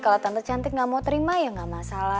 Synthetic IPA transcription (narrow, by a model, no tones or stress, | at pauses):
kalot̪ant̪ə̥d͡ʒant̪ɪk̚ŋamot̪əɾimajaŋɡamasala